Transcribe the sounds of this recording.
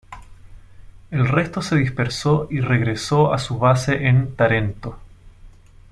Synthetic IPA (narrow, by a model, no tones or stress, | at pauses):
elre̞st̪o̞seðispe̞ɾsoireɣɾe̞soasuβase̞ʔent̪aɾe̞nt̪o